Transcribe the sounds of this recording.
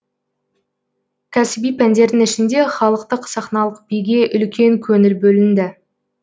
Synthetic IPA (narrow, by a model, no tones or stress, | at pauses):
kʲʰæsɪbijpʰænd̪e̞ɾd̪ɪŋɪʃɪnd̪e̞χɑlˠəq̚t̪əqsɑχnɑlˠəq̚b̥ijɡʲe̞ʔʏlkʲe̞ŋkʲʰɵnɪɾbɵlɪnd̪ɪ